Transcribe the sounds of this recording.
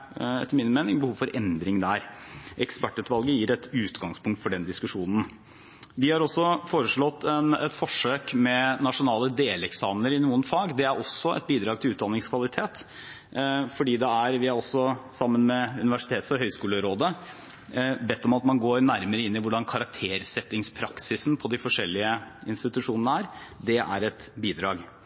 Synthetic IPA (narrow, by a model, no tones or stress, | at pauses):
ɛ̰t̪ːəɾmɪnːəmeːnɪŋbəhuːʋfɔɾʔɛnd̪ɾɪŋd̪æɾʔɛkspæʈːʉːt̪ʋɑlˠɡəjiːɾɛt̪ʉːt̪ɡɑŋspʰʊŋk̚t̪fɔɖɛnd̪ɪskʉʂuːnən̩ | ʋɪhɑɾɔsːɔfoːɾəʂɭɔt̪ːɛnɛt̪fɔʂøːkmɛnɑʂʊnɑːləd̪eːlɛksɑːmənəɾɪnuːənfɑːɡd̪ɛæɾʔɔsːɔɛ̰t̪̚biːd̪ɾɑːɡ̚t̪ʰɪlʉːt̪̚d̪ɑnːɪŋskʰʋɑlɪt̪ʰeːt̪ | fɔɖiːd̪ɛæɾʋɪhɑɾɔsːɔsɑmːənmɛʉnɪʋæʂɪt̪ʰeːt̪sɔɦœʏskʉːləɾoːd̪ə | bɛt̪ːɔmɑt̪mɑnɡoːɾnæɾməɾəɪnːɪʋʊɖɑnkʰɑɾɑk̚t̪ʰeːɾsɛt̪ːɪŋspʰɾɑksɪsn̩pʰɔd̪ɪfɔʂɛlːɪəɪnst̪ɪt̪ʉʂuːnənəæːɾd̪ɛʔæ̰ɾɛt̪biːd̪ɾɑːɡ